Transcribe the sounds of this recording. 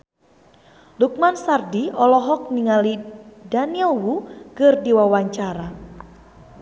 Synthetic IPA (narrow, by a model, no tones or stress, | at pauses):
luk̚mansardiɔlɔɦɔk̚niŋalidaniɔwukɨrdiwawaɲt͡ʃaɾa